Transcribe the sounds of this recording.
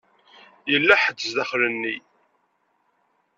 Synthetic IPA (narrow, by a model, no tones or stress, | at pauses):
jəlːæħəd̪ːzðæχɾənːi